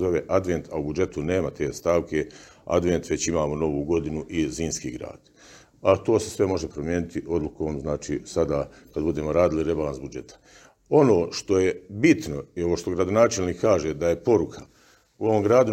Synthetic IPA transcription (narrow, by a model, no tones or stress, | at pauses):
zo̞ʋeʔad̪ʋe̞nt̪ʰaubud͡ʒe̞t̪une̞ːmat̪e̞ːst̪aːʋkʰe̞ | a̰d̪ʋent̪ʋe̞t͡ɕimaːmo̞no̞ʋuːɡo̞d̪inuʔiziːnskḭːɡɾa̰ːd̪̥ | at̪o̞ːse̞sʋe̞mo̞ʒe̞pɾomjeːnit̪iʔo̞d̪lˠuko̞ːmznaːt͡ʃḭːsad̪aː | kad̪bud̪eːmoɾaːd̪iliɾe̞balansbud͡ʒe̞t̪ḁ | o̞no̞ːʃt̪o̞jebit̪no̞io̞ʋoːʃt̪o̞ɡɾad̪onaːt͡ʃe̞lniːkːaːʒeːd̪aje̞po̞ɾukʰa | uo̞ʋomɡɾaːd̪u